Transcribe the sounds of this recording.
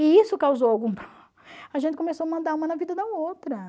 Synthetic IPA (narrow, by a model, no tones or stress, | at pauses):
ɪisʊkawzowawɡũpɾ | ɐʒẽt̪ɪkõmesowɐmɐ̃nd̪aɾũmɐnɐvid̪ɐd̪ɐowt̪ɾɐ